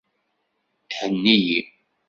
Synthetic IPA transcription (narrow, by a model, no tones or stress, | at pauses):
θħənːiji